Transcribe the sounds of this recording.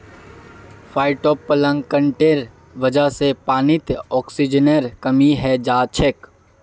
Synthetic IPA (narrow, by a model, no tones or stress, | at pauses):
fʰaːɪʈɔːpːɐlə̃ŋɡkə̃ɳʈeːɾ | ʋɐd͡ʒəsepaːnɪt̪ɔːksid͡ʒnəɾkɐmiɦɛd͡ʒaːt͡ʃʰek